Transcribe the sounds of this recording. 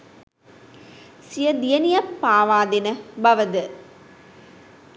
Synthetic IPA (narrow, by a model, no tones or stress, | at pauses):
sijɐd̪ijɐnijɐpːaːʋaːd̪inɐbɐʋɐd̪ɨ